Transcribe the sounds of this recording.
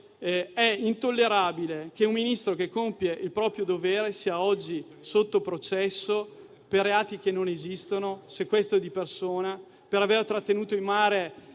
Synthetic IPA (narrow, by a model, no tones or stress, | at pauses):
ɛint̪olːeɾaːbilek̟eumːinist̪ɾokekːompjeʔilpɾɔːpɾjod̪oveːɾesiːaɔd͡ʒːi | sot̪ːopɾot͡ʃɛsːo | perːeaːt̪ik̟enːonezist̪onosekwest̪oɛd̪ipersoːna | peɾavert̪ɾat̪ːenuːt̪oilmaːɾe